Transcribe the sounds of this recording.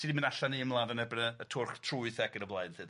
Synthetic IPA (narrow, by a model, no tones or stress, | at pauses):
sidimənaɬaniəmlˠavənɛbənəːtʰʊrχtʰruɨθɛɡənəvlˠaɨnθɨːd